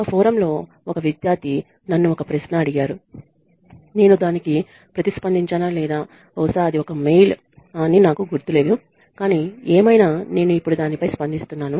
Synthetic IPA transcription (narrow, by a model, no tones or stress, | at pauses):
kɐpʰɔːɾɐmlo̞ː | ɔkɐʋid̪jaːɾt̪i | nɐnːuɔkɐpɾɐsnɐɐɽiɡaːɾu | ne̞ːnud̪aːniki | pɾɐt̪ispɐnd̪iɲt͡ʃɐnaːlɛːd̪aː | ɔːsaːɐd̪iɔkɐme̞jl | aːniːnaːkuɡuɾt̪ule̞ːd̪u | kaːniːeːmɐjnaːne̞ːnuipːuɽud̪aːnipɐjspɐnd̪ist̪unːaːnu